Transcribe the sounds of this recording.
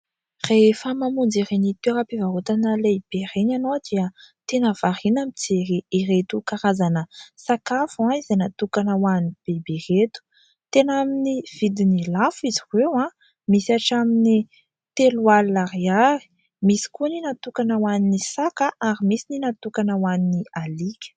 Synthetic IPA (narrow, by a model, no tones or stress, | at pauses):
refəmamund͡zirenit̪weɾapivaɦot̪anəlejb̥erenanod̪̥iət̪enəv̥aɾinamit͡seɾiiret̪ukaɾazanəsakafãizenat̪ukanəwanib̥eberet̪u̥ | t̪enaminiv̥id̪inilafiziwewã | misaʈ͡ʂamini | t̪elualːaɾiaɾi̥ | misi̥kuninat̪ukanəwaninisakəʔaɾimisininat̪ukanəwaninialikʲə̥